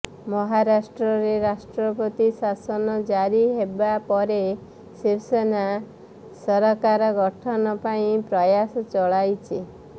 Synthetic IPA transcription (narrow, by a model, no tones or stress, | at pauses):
mɔɦaɾasʈɾɔɾeɾasʈɾɔpɔt̪isasɔnɔd͡ʒaɾiɦebapɔɾe | siwsena | sɔɾɔkaɾɔɡɔʈʰɔnɔpaĩpɾɔjasɔt͡ʃɔɭajt͡ʃʰi